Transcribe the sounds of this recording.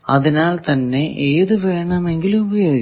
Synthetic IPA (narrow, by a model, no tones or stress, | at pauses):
ɐðinaːlt̪ɐnːe̞ʔeːðɨʋeːɳɐme̞ŋɡilumubɐjo̞ːɡi